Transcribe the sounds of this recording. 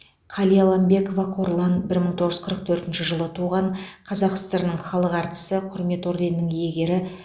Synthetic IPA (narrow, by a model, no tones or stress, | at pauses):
qʰɑlˠijɑlˠɑmbe̞ko̞vɑqʰoɾlˠɑnbɪɾməɴt̪ʰoʁəʒʏ̥zqʰəɾəq̚t̪ʰɵɾt̪ɪnʃɪʒəlˠət̪ʰuʁɑɴqʰɑzɑqsəst̪ɑɾənəɴχɑlˠəqɑɾt̪ə̥səqʰʊɾme̞t̪o̞ɾd̪ennəŋje̞ɡʲe̞ɾɪ